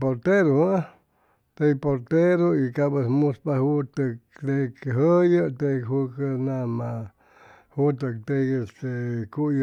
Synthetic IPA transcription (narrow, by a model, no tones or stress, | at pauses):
poɾt̪eɾoa | t̪ejpoɾt̪eɾoikabəsmuspahut̪əkt̪ekɦəjət̪ekhukənama | hut̪ək̚t̪eest̪ekuj